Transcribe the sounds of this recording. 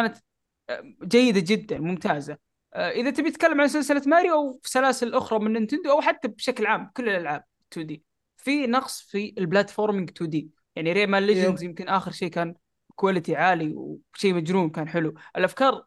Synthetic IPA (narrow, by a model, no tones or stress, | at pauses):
kaːnat̪ | d͡ʒajːɪd̪ad͡ʒɪd̪ːanmʊmt̪aːza | ʔɪðat̪ɪbjɪt̪kalːamʕansɪlsɪlat̪maːɾiʔawfi̥salaːsɪllʔʊxɾˤɑmɪnʔɪnt̪ɪnd̪uʔawħat̪ːabʃaklʕaːmkʊlːɪlʔalʕaːb̥̚ɪt̪ːuːd̪iː | finɑqsˤfilblaːt̪foːɾˤmɪŋɡt̪ʰuːd̪iː | jaʕniɾeːʕmalːɪd͡ʒɪnzjɪmkɪnʔaːxɪɾʃeːkaːn | kʊwalɪt̪iʕaːliwʃeːmad͡ʒɾuːmkaːnħɪluʔɪlʔafkɑːɾˤ